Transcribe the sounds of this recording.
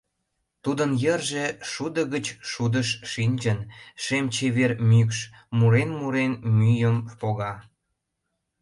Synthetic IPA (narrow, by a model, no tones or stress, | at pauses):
t̪ud̪ənjərʒeʃud̪ə̆ɣət͡ɕʃud̪əʃʃinʲd͡ʑənʃemt͡ɕeβermykʃ | muɾenmuɾenmyjəmpoɣɑ